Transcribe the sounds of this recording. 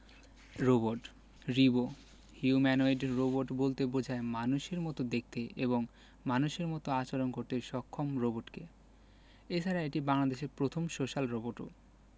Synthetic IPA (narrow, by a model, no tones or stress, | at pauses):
ɾoboʈ | ɾibo | hiumɛnoeɖɾoboɾʈbolt̪ebod͡ʑʱaemanuʃeɾmɔt̪od̪ek̚t̪eʔeβoŋ | manuʃeɾmɔt̪oat͡ɕoɾonkoɾt̪eʃɔkʰːomɾoboʈke | et͡ɕʰaɾaeʈibaŋlad̪eʃeɾpɾot̪ʰomʃoʃalɾoboʈo̰